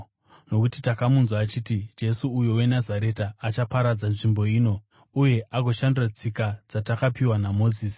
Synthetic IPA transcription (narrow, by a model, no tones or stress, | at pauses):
no̞kutitakamunzwaːt͡ʃitid͡ʒe̞suːjowe̞nazaɾe̞taːt͡ʃapaɾad͡zanʐimbo̞iːno̞ | uje̞ʔaɡo̞ʃandurat͡sikad͡zatakapiwanamo̞ːziːsi̥